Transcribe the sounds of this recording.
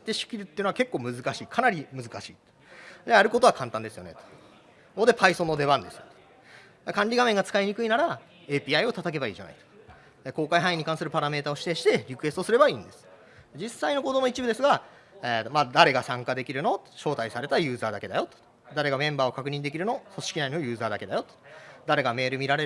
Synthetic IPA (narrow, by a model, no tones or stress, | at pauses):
t̪ːeɕi̥kʲiɾʲɯt̪ːejɯnoakekːoːmɯ̟zɨkaɕiːkʰanaɾʲimɯ̟zɨkaɕḭːt̪o̥ | d̪ejaɾɯ̟ko̞t̪o̞akʰãnt̪ãnd̪e̞sɨjo̞ne̞t̪o̥ | od̪epʰaisõ̞nːo̞d̪e̞βãnd̪e̞sɨjot̪ | kãɲʲɾʲiɡamẽ̞ŋɡat͡sɨ̥kaiɲ̟ikɯ̟inaɾa | e̞ːpʲiːaio̞t̪at̪ak̬e̞baḭːʑa̰na̰i̥t̪o̥ | ko̞ːkaiɦãĩɲ̟ːikãɰ̃sɨɾɯ̟paɾame̞ːt̪aoɕi̥t̪e̞ɕi̥t̪e̞ɾʲikɯ̟e̞sɨt̪osɨɾe̞baĩːnd̪e̞sɨ̥ | d͡ʑisːaino̞ko̞d̪o̞moit͡ɕibɯ̟d̪e̞sɨɡa | et̪ːomaːd̪aɾe̞ɡasãŋkad̪e̞kʲiɾɯ̟no̞t̪ɕo̞ːt̪aisaɾe̞t̪ajɯ̟ːzaːd̪ake̞d̪ajo̞t̪ | d̪aɾe̞ɡamẽ̞mbaːo̞kakɯ̟ɲ̟ĩnd̪ekʲiɾɯ̟no̞so̞ɕi̥kʲinainojɯ̟ːzaːd̪ake̞d̪ajo̞t̪o̥d̪aɾe̞ɡame̞ːɾɯ̟mʲiɾaɾe̞